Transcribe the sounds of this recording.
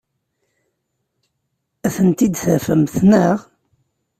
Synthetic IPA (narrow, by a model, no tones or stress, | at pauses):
æθənt̪id̪θæfəmθnəʁ